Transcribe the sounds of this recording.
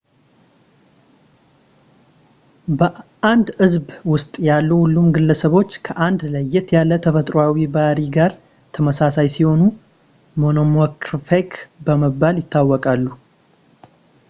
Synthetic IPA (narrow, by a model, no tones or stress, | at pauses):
bəʔand̪ɨzbwʊst̪ʼjalːuhulːumɡɨlːəsəβo̞t͡ʃːkʰəʔand̪ləjːɛt̪jalːət̪ʰəfət̪ʼɾoawibaɾiɡaɾ | t̪ʰəməsasajsiho̞nu | mo̞nomokɾfekbəməbːaljɪt̪ʰːawːɔkʼalːu